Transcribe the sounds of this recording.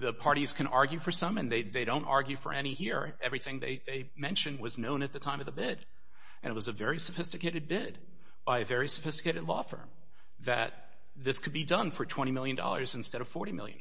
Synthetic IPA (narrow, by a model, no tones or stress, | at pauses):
ðɨpʰɑɹɾiz̥kʰɨ̃ñʔɑɹɡjʉfə˞sʌ̃mɨ̃nðeɪðeɪɾõʊ̃ntɑ̰ɹɡjʉfə̰˞ʔɛñihiɹ | ɛvɹiθɪ̃ŋðḛɪðeɪmɛ̃nʃɨ̃nd̚wʌznõʊ̃nɨt̪̚ðɨtʰãɪ̃mʌvðəbɪɾ | ʔɨ̃nɨt̚wʌzɨvɛɹisɨfɪstɨkʰeɪɾɨd̚bɪd | b̥aɪɨvɛɹisɨfɪstɨkeɪɾɨdˡlɔ̰fɜ̰̃˞m | ðɨ̰t̪̚ | ðɪskʰɨd̚bidʌ̃nfə˞tʰw̥ɛ̃ɾ̃imɪlˠjɨ̃ndɔ̰lˠə̰˞zɨ̃n̩stɛɾʌv̥fɔɹɾimɪ̰lˠjɨ̰̃n